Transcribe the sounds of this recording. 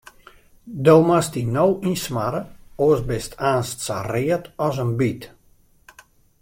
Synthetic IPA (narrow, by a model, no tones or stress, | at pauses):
dowmastinowinsmaɾəoəsbɪstʰaːnstsa̰rɪətɔsənbit